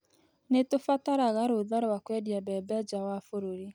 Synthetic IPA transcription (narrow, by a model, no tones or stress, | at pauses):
netofataɾaɣaɾoðaɾɔwakwɛdjabɛbɛd͡ʒawafoɾoɾi